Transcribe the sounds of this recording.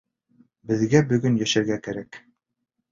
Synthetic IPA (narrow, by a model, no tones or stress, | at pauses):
bɘ̆ðɡæbɵ̆ɡɵnjæʃæɾɡækæɾæk